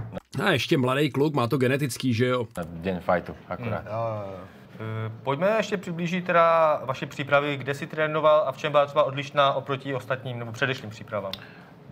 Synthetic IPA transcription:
ajɛʃcɛmladɛjklukmaːt̪oɡɛnɛt̪ɪt͡skiːʒɛjodɛɲfajt̪uʔakoɾa̰ːt̪ː | pocmɛjɛʃcɛpr̥ɪbliːʒɪt̪̚t̪ːɛdavaʃɛpr̥ipɾavɪɡdɛsɪt̪ɾɛːnovalaft͡ʃɛmbɪlat̪rɛbaʔo̞dlɪʃnaːʔo̞pɾo̞cɪo̞st̪at̪ɲiːmnɛbopr̝̥ɛdɛʃɲiːmpr̥iːpɾavaːm

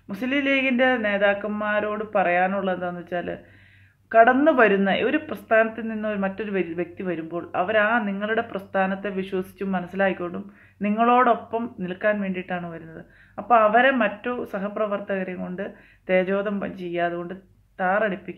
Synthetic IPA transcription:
muslileːɣinde̞ne̞ːðaːkːɐmːaːɾo̞ːɽɨpɐrɐjaːnuɭːɐend̪sɐnːit͡ɕːaːlɨ̰ | kɐɽɐnːɨʋɐɾunːɐʔio̞ɾuprɐst̪ʰaːnɐt̪ːilninːoɾmɐtːo̞ɾuʋʋje̞k̚t̪iʋɐɾumbo̞ːɭɐ̰ʋɐɾaːniŋːɐɭuɽe̞prɐst̪ʰaːnɐt̪ːeʋiɕwɐsi̥t͡ɕːumːɐnɐsːilaːkikʲːkoɳɖum | niŋːɐɭo̞ːɽo̞pːɐmnilkːaːnʋe̞ːɳɖijiʈːaːɳɨʋɐɾunːɐðɨ | ɐpːoːɐʋɐɾemɐtːosɐɦɐprɐʋɐrt̪ɐɣɐɾɐŋko̞ɳɖɨ | t̪e̞ːd͡ʑo̞ːd̪ɐmt͡ɕe̞jːaːðuɣo̞ɳɖɨ | t̪aːrɐɽipːikʲːu

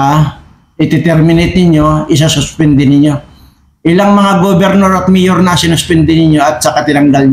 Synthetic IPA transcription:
a | ʔɪt̪ɪt̪ɛɾmɪnet̪nɪɲo̞ʔɪs̬asʊspɛnd̪ɪnɪɲːo̞ | ʔɪlaŋmɐŋaɡobɛɾnoɾɐt̪̚mɪjoɾnɐsɪnʊspɛnd̪ɪnɪɲːoɐt̪̚sɐkat̪ɪnɐŋɡalɲ

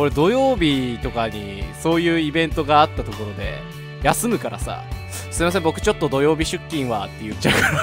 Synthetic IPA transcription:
ko̞ɾe̞d̪o̞jo̞ːbʲit̪o̞kaɲ̟i | so̞ːjɯ̟ːibẽ̞nt̪o̞ɡaːt̪ːat̪o̞ko̞ɾo̞d̪e̞̰ | jasɨmɯ̟kaɾʔa̰sa̰ | sɨ̥imas̬ẽ̞mbo̞kɯ̟̥t͡ɕo̞t̪ːo̞d̪o̞jo̞ːbʲiɕɨkʲːĩɰ̃βat̪ːe̞jɯ̟t͡ɕːaɯ̟kaɾ

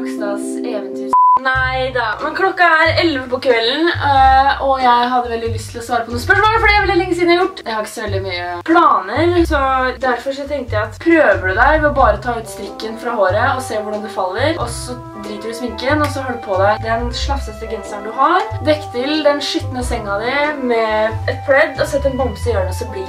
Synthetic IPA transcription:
ksd̪ɑsɛʋənt̪ʰyːnæɪd̪ɑmɛnkʰlɔkːɑæɾɛlʋəpɔkʰʋɛlːn̩ | ɔjæɪɦɑd̪ːəʋɛld̪ɪlʏst̪ʰɪlɔsʋɑːɾəpʰɔnuːəspœʂmoːləfɔɖijæɪʋɪlɛlɛŋːəs̬iːd̪əjʊʈːd̪ɛhɑɾɪçːə̥sɔʋɛld̪ɪmyːəpʰlɑːnəɾsɔd̪æɾfɔɾʂ̬ɔt̪ʰɛŋkt̪əjæɪɑt̪pʰɾøːʋəɖʉd̪æɪʋɛɔbɑːɾəɔt̪ʰɑːʉːt̪st̪ɾɪkːənfɾɑːhoːɾəɔseːʋʊɖɑnd̪ʉfɑlːəɾʔɔsɔ | d̪ɾiːt̪əɖʉsmɪŋkənɔsɔhøːɖ̪pʰɔd̪æɪd̪ɛnʂlɑfsəst̪əɡɾɛnsənd̪ʉɦɑɾd̪ɛkːt̪ʰɪld̪ɛnʂʏt̪ːənəsɛŋːɑd̪ɪmɛɛt̪̚pʰɾɛd̪ːɔsɛt̪ːɛnbɔmbsɪøːɳsɔbli

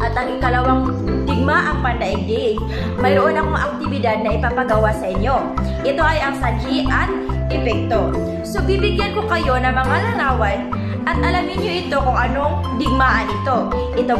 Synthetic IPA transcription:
ʔɐt̪ɐŋɪkɐlɐwaŋ | d̪ɪɡ̚maʔɐŋpɐnd̪ɐʔɪɡ̚d̪ɪ | mɐjɾoʔonɐkoŋʔɐk̚t̪ɪbɪd̪ad̪̚nɐʔɪpapɐɡɐwasɐʔɪɲo̞ | ʔɪt̪o̞ʔɐjʔɐŋsad͡ʒiʔɐt̪̚ʔɛpɛk̚t̪o̞ | so̞bibɪɡjanko̞kɐjo̞nɐŋmɐŋalɐŋaːwɐn | ʔɐt̪ʔɐlɐmɪɲɲo̞ʔɪt̪o̞kʊŋʔɐno̞ŋd̪ɪɡ̚maʔɐnɪt̪o̞ʔɪt̪o

